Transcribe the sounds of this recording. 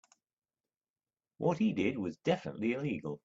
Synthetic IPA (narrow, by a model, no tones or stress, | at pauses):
wʔʌt̚hidɪd̚wʌzdɛfənə̰ʔliɪliɡəl̩ˠ